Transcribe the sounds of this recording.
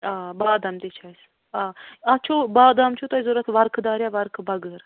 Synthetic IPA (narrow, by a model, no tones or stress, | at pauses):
aːbaːd̪ɐmt̪et͡ʃʰaːs | aːat͡ʃʰobaːd̪amt͡ʃʰot̪ɐizoɾɐt̪ʰʋɐɾkʰd̪aːɾʲjaʋɐɾkʰbɐɡəɾ